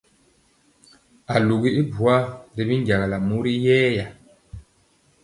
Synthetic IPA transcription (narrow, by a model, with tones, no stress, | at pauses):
a˨lu˨ɡi˦i˦bu˨a˦ɾi˨bi˦n˦ɟa˨ɣa˨la˨mu˦ɾi˦jɛː˦ja˨